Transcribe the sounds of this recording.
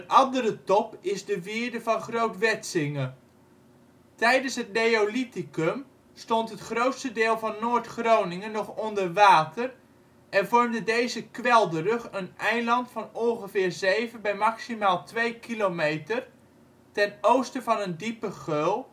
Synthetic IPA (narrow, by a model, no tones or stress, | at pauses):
ənʔɑndəɾətɔpɪzdəʋɪːdəvɑnχrowtʋɛtsɪŋə | tɛjdənsɦətnejolitikɵm | stɔntɦətχrowtstədɪːlˠvɑnːoːɹtχrownɪŋənɔχɔndərʋaːtər | ʔɛnvɔɹmdədejzəkʋɛlˠdərɵχənɛjlɑntfɑnɔnχəvɪːɹzejvənbɛjmɑksimaːlˠtʋejkilomejtər | tɛnowstəvɑnəndipəχølˠ